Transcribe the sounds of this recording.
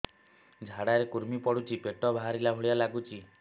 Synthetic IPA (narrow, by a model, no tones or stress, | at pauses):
d͡ʒʱaɽaɾekuɾmipɔɽut͡ʃʰipeʈɔbʱaɦaɾilaɦoɭjalaɡut͡ʃʰi